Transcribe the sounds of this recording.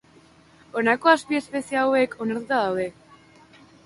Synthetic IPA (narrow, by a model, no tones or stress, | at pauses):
o̞nako̞aspie̞spe̞siaːwe̞kʰo̞naɾt̪ut̪aðawðe̞